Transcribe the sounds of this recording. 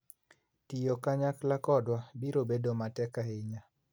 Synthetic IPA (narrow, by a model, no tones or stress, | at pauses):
tijokaɲaklakɔdwabiɾobedomatɛkaɪɲa